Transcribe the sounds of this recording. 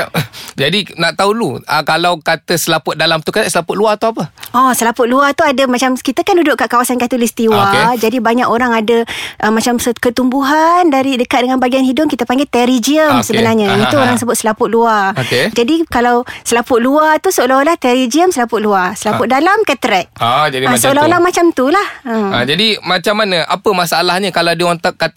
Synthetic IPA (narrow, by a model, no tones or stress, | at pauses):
d͡ʒadinaʔt̪auluəkalawkat̪əsəlapʊʔ̪̚dalamt̪ukat̪əsəlapʊt̪̚luat̪uapəɔsəlapʊt̪̚luat̪uadəmat͡ʃamkit̪əkandudʊʔkaʔkawasankat̪ulist̪iwad͡ʒadibaɲakoɾaŋadəʔəmat͡ʃamsəkət̪umbuɦandaɾidəkat̪̚dəŋanbaɡianhidʊkit̪əpaŋɡet̪ɛɾid͡ʒiəmsəbənarɲait̪uoɾaŋsəbʊt̪̚səlapʊʔ̪̚luaked͡ʒadikalawsəlapʊʔ̚luat̪usəolaɦolaht̪ɛɾid͡ʒiəmsəlapʊʔ̚luasəlapʊʔ̚dalamkət̪əɾɛʔ̚d͡ʒaasəolaɦolamat͡ʃamt̪ulahəd͡ʒadimat͡ʃamːanə̃ʔapəmasalahɲəkalawdiɔnt̪aʔkːa